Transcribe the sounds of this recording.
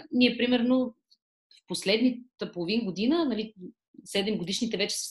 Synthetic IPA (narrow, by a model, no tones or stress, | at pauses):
niɛpɾimɛɾno | fposlɛd̪nit̪əpolˠovinɡod̪inənɐli | sɛd̪ɛmɡod̪iʃnit̪ɛvɛt͡ʃɛ̥s